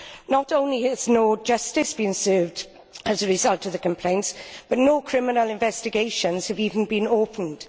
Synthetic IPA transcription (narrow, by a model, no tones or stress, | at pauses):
nətõʊ̃nliəznoʊd͡ʒʌstɪsb̥ĩnsɜːvd | əzəɹɪzʌlˠtəvðəkʰə̃mpʰl̥ẽɪ̃ntsb̥ʌtⁿnoʊkʰɹ̥ɪmɪnəlɪ̃ɱvɛstɪɡeɪʃə̃nz̥həviːvə̃n̩bĩnoʊpʰə̃n̩d̥